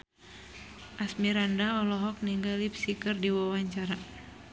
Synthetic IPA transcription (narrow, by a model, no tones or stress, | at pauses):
ʔasmiɾandaɔlɔɦɔk̚niŋɡalipsikɨrdiwawaɲt͡ʃaɾa